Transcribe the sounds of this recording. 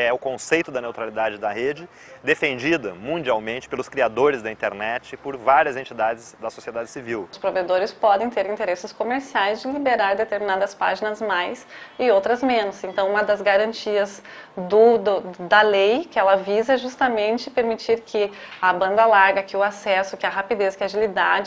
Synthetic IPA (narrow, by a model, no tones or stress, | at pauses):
ɛʊkõsejt̪ʊd̪ɐnewt̪ɾalid̪ad͡ʒɪd̪ɐhed͡ʒɪ | d̪efẽnd͡ʒid̪ɐmũnd͡ʒiawmẽnt͡ʃɪpelʊskɾiad̪oɾɪzd̪ɐĩnt̪eɾnɛt͡ʃɪpʊɾvaɾiɐzẽnt͡ʃid̪ad͡ʒɪzd̪ɐsosied̪ad͡ʒɪsiviwʊspɾoved̪oɾɪspɔd̪ẽj̃t̪eɾĩnt̪eɾesɪskomeɾsiajzd͡ʒɪlibeɾaɾd̪et̪eɾminad̪ɐspa̰ʒinɐzmajsɪowt̪ɾɐzmẽnʊsẽnt̪ɐ̃w̃ũmɐd̪ɐzɡaɾɐ̃nt͡ʃiɐz | d̪ʊd̪ʊd̪ɐlejkɪɛlɐvizɐʒust̪ɐmẽnt͡ʃɪpeɾmit͡ʃiɾkʰɪ | ɐbɐ̃nd̪ɐlaɾɡɐkɪʊasɛsʊkɪɐɦapid̪eskɪaʒilid̪ad͡ʒɪ